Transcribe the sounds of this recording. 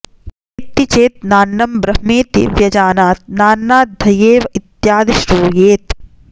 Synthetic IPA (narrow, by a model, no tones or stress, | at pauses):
it̪ːit͡ʃeːt̪̚naːnːɐmbɾɐɦmeːt̪ḭʋjɐd͡ʒaːnaːt̪̚naːnːaːt̪̚d̪ʱɐjeːʋɐit̪jaːd̪iʃɾuːjeːt̪